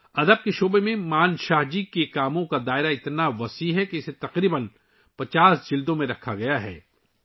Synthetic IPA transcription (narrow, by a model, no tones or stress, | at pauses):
ɐd̪əb̚keʃoːbemẽmaːnʃaːɦd͡ʒikekaːmõkad̪aːɪɾaɪt̪naʋɐsiɦɛkeɪset̪ɐqɾiːbən | pɐt͡ʃaːsd͡ʒɪld̪õmẽɾɐkʰːaɡɐjaɦɛ̰ː